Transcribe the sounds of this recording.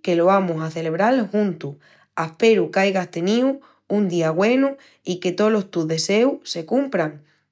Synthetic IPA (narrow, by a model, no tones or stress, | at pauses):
ke̞lo̞amusaθe̞le̞βɾalhunt̪u | ahpe̞ɾukajɣast̪e̞niu | und̪iaɣwe̞nu | ike̞t̪o̞lo̞st̪uðe̞se̞use̞kumpɾaŋ